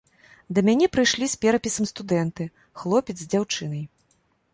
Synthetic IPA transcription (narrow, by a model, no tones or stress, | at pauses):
d̪ɐmʲanʲɛpɾɨjʂlʲispʲɛɾɐpʲisɐmst̪ud̪ɛnt̪ɨ | xlˠɔpʲɛt̪zʲd͡zʲawt͡ʂɨn̪ɐj